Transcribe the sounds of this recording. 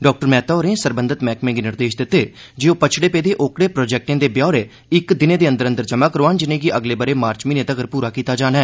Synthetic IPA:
ɖɔːk̚ʈəɾmɛːt̪ɔːɾẽːsəɾbənd̪ət̪mɛːkmẽːɡinɪɾd̪eːʃd̪ɪt̪ːeːd͡ʒeːoːpət͡ʃʰɽeːpɛːd̪eːʔoːkɽeːpɾoːd͡ʒɛːk̚ʈẽːd̪eːbjaːɾeː | ɪkd̪ɪnẽːd̪eːə̃nd̪əɾənd̪əɾd͡ʒəmãːkəɾoaːnd͡ʒɪnẽːɡiʔəɡleːbəɾeːmaːɾt͡ʃmiːnẽːt̪əɡəɾpuːɾaːkiːt̪aːd͡ʒaːnaɛː

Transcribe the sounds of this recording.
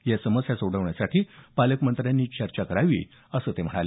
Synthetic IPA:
jasəməsjasoɽəʋɳjasaʈiːpaləkmənt̪ɾjanːiːt͡ɕəɾt͡ɕakəɾaʋḭː | əsəːt̪em̤əɽale

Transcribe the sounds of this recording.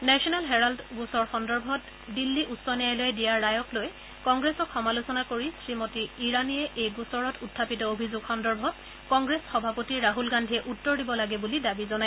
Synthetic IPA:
nɛsiɔnalɦɛɹaldɡusɔɹxɔndɔɹbʱɔt | dilːiʔusɔnijajlojɛdijaɹːajɔkloj | kɔŋɡɹesɔkʰxɔmalusɔnakoɹisɹimotiːɹanijɛʔejɡusɔɹɔtʰutʰːapitɔobʱizuɡxɔndɔɹbʱɔt̚ | kɔŋɡɹesxɔbʱapotiɹaɦulɡandʱiɛʔutːɔɹdibɔlaɡɛbulidabizɔnaj

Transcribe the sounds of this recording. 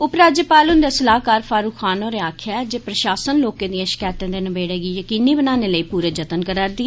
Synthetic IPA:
ʊpɾaːd͡ʒəːpaːlʊnd̪eːsəlaːɦkaːɾfʰaːɾuːkʰaːnoːɾeaːkʰaːɛd͡ʒeːpɾəʃaːsənloːkẽːd̪iə̃ːʃɪ̥kaːt̪ãːd̪eːnəbeːɽeːɡiːjəkiːniːbənaːneːləiːpuːɾəːd͡ʒət̪ənkəɾaːɾd̪ɪɛ

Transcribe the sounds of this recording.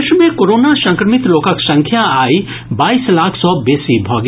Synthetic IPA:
ʃmẽkoːɾoːnaʃɐ̃ŋkɾəmɪt̪loːkəksɐ̃ŋkʰjaaːi | baːiːslaːkʰsɔːbeːsibʱɔːɡ

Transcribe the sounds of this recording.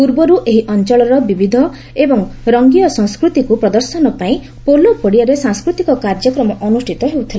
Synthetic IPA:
puɾbɔɾuʔeɦiʔɔnt͡ʃɔɭɔɾɔbibid̪ʱɔ | ebɔŋɾɔŋɡijɔsɔ̃ŋskɾut̪ikupɾɔd̪ɔɾsɔnɔpaĩ | polopɔɽiaɾesãŋskɾut̪ikɔkaɾd͡ʒɔkɾɔmɔʔɔnusʈʰit̪ɔɦeut̪ʰilae

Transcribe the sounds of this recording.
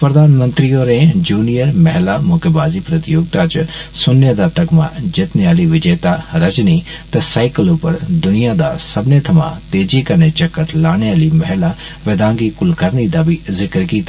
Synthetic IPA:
pɾɐd̪aːnmə̃nt̪ɾioːɾẽd͡ʒuːnijəɾmɛɦlamoːkebaːzipɾɐt̪ijoːɡ̚t̪aːt͡ʃsʊnjəd̪at̪ɐkmã̰d͡ʒɪt̪neaːliʋɪd͡ʒeːt̪aɾɐd͡ʒnit̪ɐsaːɪkəloːpəɾd̪ʊnijad̪asɐbnet̪ʰɐmã̰ːt̪eːd͡ʒikɐɾnet͡ʃɐkːət̪laːɽ̃ejaːlimɐɦla | ʋed̪ãːŋɡikʊlkəɾnid̪abizɪkɾkiːt̪a

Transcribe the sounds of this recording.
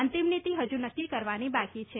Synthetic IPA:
ənt̪imnit̪iɦəd͡ʒunəkːikəɾʋanibakit͡ʃʰe

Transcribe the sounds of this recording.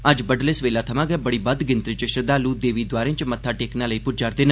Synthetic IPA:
əd͡ʒbəɖleːsʋeːlaːt̪ʰəmãːɡɛːbəɽiːbəd̪ɡɪnt̪ɾit͡ʃɪʃəd̪aːluːd̪eːʋiːd̪waːɾẽt͡ʃmət̪ʰːaːʈeːknaːləiːpʊd͡ʒaːɾd̪eːnãː

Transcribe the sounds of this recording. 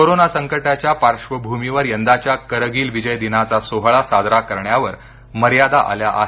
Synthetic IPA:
koɾonasəŋkəʈat͡ɕjapaɾʂʋəbʱumiʋəɾjənd̪at͡ɕjakəɾəɡiːlʋid͡ʑəjd̪inat͡sasoɦɭasad̪ʱɾakəɾɳjaʋəɾ | məɾjad̪aʔa̰ljaʔa̰ɦe

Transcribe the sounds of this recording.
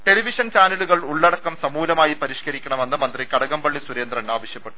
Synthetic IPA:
ʈe̞liʋiʂɐnt͡ɕaːnɐluɣɐɭuɭːɐɽɐkːɐmsɐmuːlɐmaːjipɐɾiʂkɐɾikʲːɐɳɐme̞nːɨmɐnd̪rikɐɽɐɣɐmbɐɭːisuɾe̞ːnd̪rɐnːaːʋɐɕjɐpːe̞ʈːu̥

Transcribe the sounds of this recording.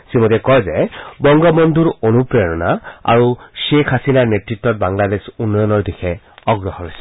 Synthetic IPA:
simɔtɛkɔjzɛbɔŋɡɔbɔnd̪ʱuɹonupɹeɹɔnaa̰ɹuʃekʰasinanetɹitːɔt̚baŋladesunːɔjɔnɔɹdixʰɛ | ɔɡɹɔɦɔɹojsɛ̥

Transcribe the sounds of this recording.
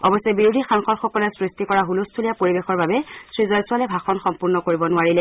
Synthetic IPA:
ɔbɔsɛbiɹudʱixaŋxɔɹxɔkɔlɛsɹistikɔɹaɦulustʰulijapoɹibexɔɹbabɛsɹizɔjsʊalɛbʱaxɔnxɔmpuɹnɔkoɹibɔnʊaɹilɛ

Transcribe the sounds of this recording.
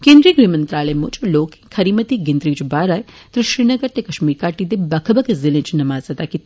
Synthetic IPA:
kẽːnd̪ɾiːɡɾiːmɐnt̪ɾaːlemut͡ʃloːkkʰːɐɾimɐt̪iɡend̪ɾiːt͡ʃbaːɾaːj | t̪ɾɪʃɾiːnɐɡəɾt̪ekɐʃmiːɾkaːʈid̪ebɐkʰəbɐkzɪlẽt͡ʃnɐmaːzɐt̪aːki

